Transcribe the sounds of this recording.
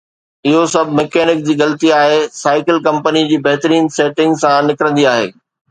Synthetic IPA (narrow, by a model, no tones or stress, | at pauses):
ɪɦosɐbʱɪmekeːnɪk̚d͡ʑiːɣɐlət̪iaːɦesaːɪkɪlkɐ̃mpənid͡ʑiːbɐɦt̪əɾiːnseːʈɪ̃ŋɡsãnɪkɾə̃nd̪iaːɦḛː